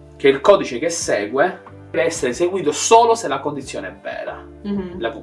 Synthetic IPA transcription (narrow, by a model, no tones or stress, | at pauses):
k̟eilkɔːd̪it͡ʃekesːɛːɡwe | d̪ɛveɛsːeɾeseɡwiːt̪osoːloselakond̪it̪sːjo̰ːneɛvːɛ̰ːɾa̰ | lap